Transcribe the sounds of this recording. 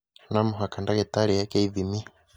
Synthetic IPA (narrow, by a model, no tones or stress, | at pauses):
namuɦakandakɛtaɺijakɛiðimi